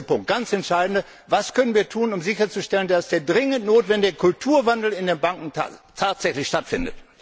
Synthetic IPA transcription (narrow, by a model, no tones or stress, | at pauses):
pʊŋkt̚ɡ̥ant͡sɛntʃaɪdn̩də | vaskʰœnənviːɐtʰuːnʊmzɪçɐt͡suʃtɛləndasd̥eːɐdʁɪŋəntnoːtv̥ɛndɪɡəkʰʊltʰuːɐvandl̩ɪndeːnbaŋkŋ̩ta̰tʰaːtz̥ɛçlɪçʃtatfɪndə̰t